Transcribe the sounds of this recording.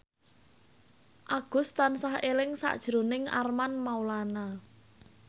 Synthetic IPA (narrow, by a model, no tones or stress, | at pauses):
ʔaɡ̥ʊ̤st̪ansahelɪŋsa̰ʔd̥ʒ̥ɾonɪŋa̰rmanmaulana